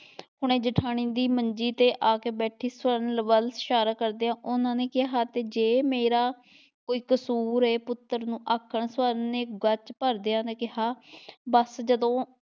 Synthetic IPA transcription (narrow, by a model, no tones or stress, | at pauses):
hʊɽ̃ẽːd͡ʒəʈʰaːɽ̃iːd̪iːməɲd͡ʒiːt̪eːʔaːkeːbɛːʈʰiːsʋəɾənləʋəlsʃaːɾaːkəɾd̪eːãːʔʊnãːneːkɪɦaːt̪eːd͡ʒeːmeːɾaː | koːiːkəsuːɾɦɛːpʊt̪ːəɾnũːʔaːkʰːəɳsʋəɾneːɡət͡ʃpəɾd̪eːãːneːkɪɦaːbəsd͡ʒəd̪õː